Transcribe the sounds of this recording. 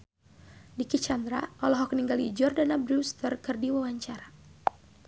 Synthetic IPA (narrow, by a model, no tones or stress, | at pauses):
dikit͡ʃand̪ɾa̰ʔɔlɔɦɔkniŋɡalid͡ʒɔrdanabɾust̪ərkɨrdiwawaɲt͡ʃaɾa